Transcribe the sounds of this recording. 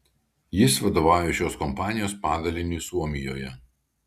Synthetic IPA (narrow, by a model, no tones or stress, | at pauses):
jɪsʋɐd̪oːʋɑˑʊjoʃʲoːskɔmpɑːnʲɪjoːspɑːd̪ɐlʲɪnʲiːˑsuɔmʲɪjoːjɛ